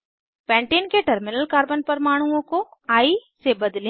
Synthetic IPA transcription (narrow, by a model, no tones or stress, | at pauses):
pɛ̃ːɳʈeːnkeʈɐɾmɪnəlkaːɾbənpɐɾmaːɽ̃uõkoaːisebɐd̪lẽ